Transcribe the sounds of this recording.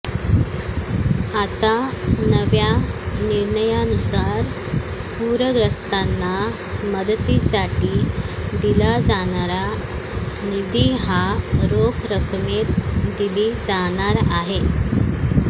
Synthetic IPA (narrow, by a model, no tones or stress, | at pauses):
at̪anəʋjaniɾɳəjanusaɾ | puɾəɡɾəst̪anːa | məd̪ət̪isaʈiːd̪ilad͡zaɽ̃aɾa | nid̪iɦaɾokɾəkʰmet̪d̪iliːd͡zaɽ̃aɾaɦe